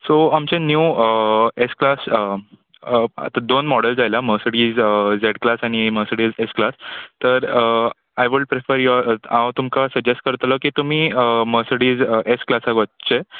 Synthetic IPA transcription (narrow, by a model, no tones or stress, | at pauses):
soamt͡ɕẽnjuːəesklasə | a̰t̪ad̪onmɔɽəld͡zajlaməsəɽiːd͡zəd͡zeɽklasañiməsəɽiːd͡zesklast̪əɾə | ajʋuɽpɾefəɾjɔãwt̪umkasəɡd͡ʑesʈ̚kəɾt̪ləkiːt̪um̤iːəməsəɽiːd͡zʔesklasaɡʋət͡ɕe